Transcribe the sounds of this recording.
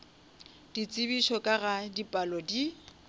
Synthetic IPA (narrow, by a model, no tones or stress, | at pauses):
d̥it͡sʼɪbiʃɔkʼaɣadipʼalɔdi